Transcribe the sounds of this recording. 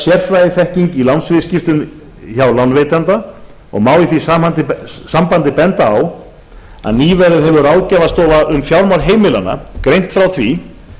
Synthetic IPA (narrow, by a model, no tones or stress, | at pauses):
sjɛr̥fɾajðɪθɛhciɲcilawnsvɪðscɪft̪ʏn | çawlanvejt̪ant̪a | ɔ̰ɣmaːwiθisaant̪ɪsampant̪ɪpɛnt̪aːw | a̰ðniːvɛɾɪðɦɛvʏɾawðcavast̪ɔːvaʔʏmfjawɾmawɾɦeːjmɪlanːa̰kɾejn̥t̪fɾawθvi